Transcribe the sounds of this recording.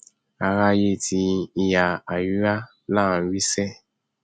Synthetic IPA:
a˨ɾa˦je˦˨tʰi˧i˨ja˨a˨ju˦a˦ | la˦˨˦wi˦sɛ˦

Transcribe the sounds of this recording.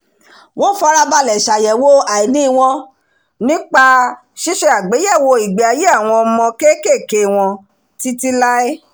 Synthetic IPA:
w̃ɔ̃˦fɔ˦˧˦ɾa˧ba˧lɛ˨ʃa˨jɛ˨wo˦a˨i˨nĩ˨˦i˧w̃ɔ̃˧ | nĩ˦k͡pa˧ | ʃi˦ʃɛ˧a˨ɡ͡be˨˦jɛ˦˨wo˧i˨ɡ͡be˨a˨˧je˦a˦˨w̃ɔ̃˧ɔ˧mɔ̃˧ke˦ke˦˨ke˨w̃ɔ̃˧ | ti˦ti˦la˦ɛ˦

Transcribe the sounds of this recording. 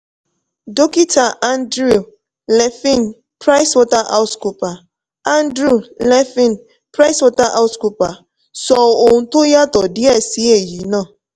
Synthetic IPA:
do˦ki˦ta˨ʔa˦n˦dɾu˦˨ | lɛ˨fĩ˦˨n˨ | pɾa˦ɪ˦swɔ˦ta˦ʔa̰˦sku˨pa˨ | a˦n˦dɾu˦˨lɛ˦fi˦˨n | pɾa˦swɔ˦ta˦ʔa˦sku˨pa˨ | sɔ˨o˨n̩˨to˦ja˦tɔ˨dɪ˦ɛ˦˨si˦e˨ji˨nɔ̃˦˨

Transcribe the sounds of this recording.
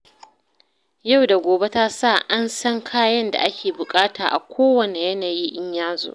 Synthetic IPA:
ja˦˨wda˨ɡʷoː˨be˦ta˦sa˦˨ʔa˦nsɐ˦ŋkʰaː˦jɐ˦nda̰˨ʔa˦kʲeː˨bʊ˨kʼaː˦taː˨ʔa̰˨kʷʰoː˦wɐ˨ne˨jɐ˦naː˨ji˦ʔɪ˦ɲjaː˦zo̰˦ʔ

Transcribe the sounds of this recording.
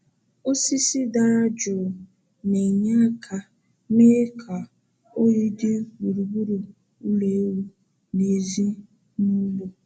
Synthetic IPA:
o˦si˦si˦da˦d͡ʒʊ˨ | ne˨ɲa˦kʰa˨ | meː˦kʰa˨ | o˦ji˦dɪ˦ɡ͡bu˨ɾu˨bu˦ɾu˨ | u˦le˨˦wu˦ | ne˨zi˦ | nʊ˦bʊ˦

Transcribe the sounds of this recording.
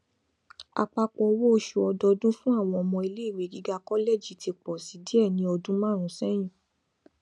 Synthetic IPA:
a̰˧k͡pa˧k͡pɔ˧wo˦o˧ʃu˧ɔ˧dɔ˧dũ˦fũ˦a˦˨w̃ɔ̃˧ɔ˧mɔ̃˧i˧le˦i˦˨we˨ɡi˨˦ɡa˦kɔ˦le˦˨d͡ʒi˨tʰi˧k͡pɔ˨si˨˦di˦ɛ˦˨nĩ˧˦ɔ˧dũ˦mã˦˨ɾ̃ũ˨˦sɛ˦j̃ĩ˦˨

